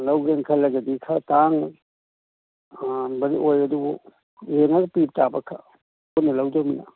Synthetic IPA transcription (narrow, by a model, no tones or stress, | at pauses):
lɐwɡɾeŋkʰalɐɡɐdikʰataŋ | bɐɾiʔojɐdubu | jeŋaɡɐpip̚tabɐkʰa | ponɐlɐwd͡ʒawmina̰